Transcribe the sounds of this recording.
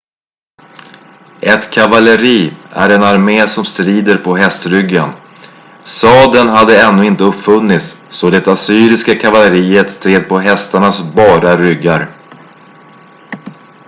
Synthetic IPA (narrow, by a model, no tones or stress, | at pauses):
ʔɛt̪kʰavaləɾiːʔæ̰ɾɛnaɾmeːsɔmst̪ɾiːd̪əɾpʰɔɦɛst̪ɾʏɡːan | sɑːd̪ənɦad̪ːəɛnːʉɪnt̪əɵpːfɵnːɪt̪sːɔd̪ɛt̪asyːɾɪskakʰavaləɾiːət̪st̪ʰɾeːd̪̚pʰɔɦɛst̪aɳasbɑːɾaɾʏɡːaɾ